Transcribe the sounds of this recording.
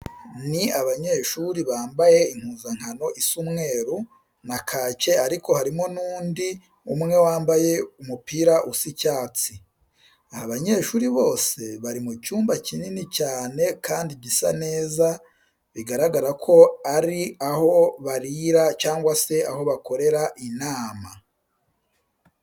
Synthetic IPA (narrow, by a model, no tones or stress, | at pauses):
niaβaɲe̞ʃuɾiβaːmbaje̞iŋ̥huːzaŋ̥hano̞ʔisumŋe̞ːɾu | nakʰaːce̞aɾiko̞haɾimo̞nuːndi | umŋe̞waːmbaje̞umupiːɾaʔusicaːt͡si | ahaβaɲe̞ːʃuːɾiβo̞ːse̞βaɾimucuːmbacininicaːne̞kaːndibɟisa̰ne̞ːza | βiɡaɾaɡaɾakʰo̞aɾiaho̞βaɾiɾat͡ʃaːŋɡwase̞aho̞βako̞ɾe̞ɾaʔinaːma